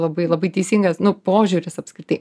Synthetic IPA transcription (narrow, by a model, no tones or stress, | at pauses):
lˠɐbɐɪlˠɐbɐɪt̪ʲɛɪsʲiŋɡɐsnʊpoːʒʲuːɾʲɪsɐpskɾʲɪt̪ɐɪ